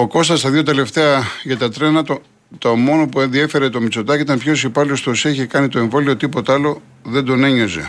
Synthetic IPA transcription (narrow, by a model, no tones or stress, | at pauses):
o̞ko̞st̪ɐst̪ɐðio̞t̪e̞le̞ft̪e̞ɐʝɐt̪ɐt̪ɾe̞nɐt̪o | t̪omo̞no̞pue̞nðie̞fe̞ɾe̞t̪o̞mit͡so̞t̪ɐcit̪ɐmpço̞sipɐliost̪oseçekɐnit̪o̞eɱvo̞liot̪ipo̞t̪ɐlo̞ | ðe̞nd̪o̞ne̞ɲo̞ze̞̰